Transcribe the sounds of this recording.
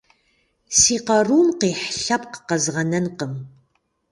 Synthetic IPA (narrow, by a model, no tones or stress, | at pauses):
siːqɐruːmqiːħɬɐp̚qə̥qɐzʁɐnɐnqəm